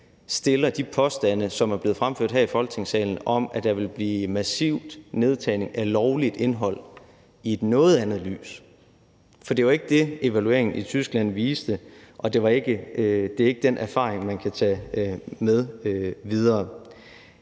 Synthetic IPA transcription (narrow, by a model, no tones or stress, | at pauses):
sd̥e̝lɐd̥ipʰɒ̽sd̥ænəsɒ̽mæɐb̥le̝ð̩ˠfʁamføɐ̰̥ɦæɐ̰ifɒ̽l̰ɡ̥̚t͡sʰe̝ŋsɛ̰ːln̩ɒ̽mæd̥ɑʋe̝lb̥liːmæsiʊd̥ne̝ð̞ˠt͡sʰɛɪne̝ŋʔælɒʊlid̥e̝nɦɒ̽l̰ | ie̝d̥nɔ̽ːð̩ˠænð̩ˠly̰ːs | fɒd̥e̝ʋɑ̈e̝ɡ̥əd̥e̝e̝ʋælue̝ɐ̰eŋn̩it͡sʰysɡ̥læn̰ʋiːsd̥əʔɒ̽d̥e̝ʋɑ̈e̝ɡ̥əd̥e̝æe̝ɡ̥əd̥enʔæɐfɑ̈ːʁeŋmænkʰæt͡sʰɛ | meðˠʋið̞ˠɐː